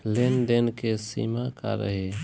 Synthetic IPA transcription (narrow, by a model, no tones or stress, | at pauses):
lenɖ̪enkesḭːmaka̰ɾə̰ɦe